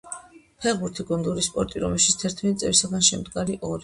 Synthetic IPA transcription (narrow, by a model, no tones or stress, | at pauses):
pʰɛʁbuɾt̪ʰiɡund̪uɾispʼɔɾt̪ʼiɾɔmɛʃi̥tsʰt̪ʰɛɾt̪ʰmɛt̪it̪sʼɛlisaɡanʃɛmd̪ɡaɾiʔɔɾi